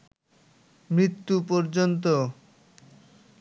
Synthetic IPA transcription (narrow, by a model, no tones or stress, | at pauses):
mɾit̪ːupɔɾd͡ʑont̪̬o